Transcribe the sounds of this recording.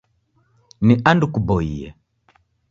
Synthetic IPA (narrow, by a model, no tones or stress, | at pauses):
niʔandukubɔiɛ̰